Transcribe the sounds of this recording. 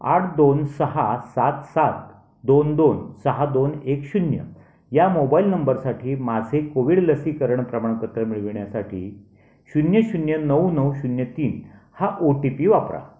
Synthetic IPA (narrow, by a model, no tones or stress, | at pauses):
a̰ʈʰd̪onsəɦasat̪sat̪̚ | d̪ond̪onsəɦad̪onekɕunjə̰ | jamobailnəmbəɾsaʈʰiːmad͡zʱekoʋiɽləsiːkəɾəɳpɾəmaɳkət̪ɾəmiɭʋiɳjasaʈʰḭː | ɕunjəɕunjənəwnəwɕunjət̪iːnhaʔoʈipiːʋapɾa̰